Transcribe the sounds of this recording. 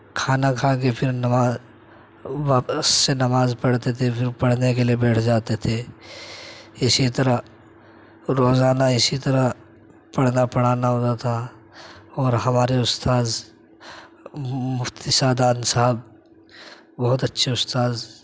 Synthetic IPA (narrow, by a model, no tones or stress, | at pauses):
kʰaːnakʰaːk̬epʰɪɾnɐmaː | ʋɐsːenɐmaːzpɐɽt̪et̪ʰepʰɪɾpɐɽ̤nek̬eliebɛːʈʰd͡ʒaːt̪et̪ʰe | ɪsit̪ɐɾə | ɾoːzaːnaɪsit̪ɐɾə | pɐɽ̤napɐɽ̤aːnaɦoːt̪at̪ʰa | ɔːɾɦɐmaːɾeʊst̪aːz | mʊft̪isaːd̪aːnsaɦəb̚ | bɔɦʊt̪ɐtːʃʰeʊst̪aːz